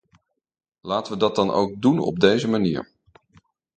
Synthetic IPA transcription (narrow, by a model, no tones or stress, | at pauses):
laːtəʋədɑt̚dɑno̰wɡ̚dunɔ̰b̚dejzəmanḭːɹ